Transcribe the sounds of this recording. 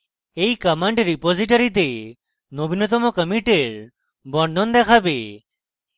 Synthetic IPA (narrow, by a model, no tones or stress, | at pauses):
ejkəmaɳʈɾipoziʈɔɾit̪̬e | nobʱinɔt̪̬ɔmɔkəmiʈeɾ | bɔɳɖ̪ɔnd̪ɛkʰabe